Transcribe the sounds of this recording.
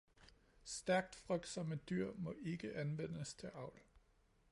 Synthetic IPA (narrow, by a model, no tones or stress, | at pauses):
sd̥æɐɡ̥̚d̥fʁœɡ̥̚d̥sɒ̽məd̥yɐ̰mɒ̽ʔe̝ɡ̥əʔænʋen̰əst͡sʰe̝lɑ̈ʊ̰l